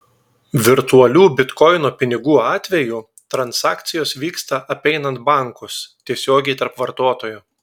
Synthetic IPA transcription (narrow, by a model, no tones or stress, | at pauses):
ʋʲɪɾt̪uɐlʲuːbʲɪt̪kɔɪnoːpʲɪnʲɪɡuːɑːt̪ʲʋʲɛju | t̪ɾɐnsɑːkt̪sʲɪjoːsʋʲiːkst̪ɐʔɐpʲɛɪnɐnt̪̚bɑˑŋkʊst̪ʲiɛsʲoːɡʲɛɪt̪ɐɾpʋɐɾt̪oːt̪oːjʊ